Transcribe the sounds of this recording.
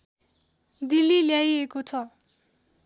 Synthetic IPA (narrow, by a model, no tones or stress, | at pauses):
d̪ilːiljajekot͡sʰʌ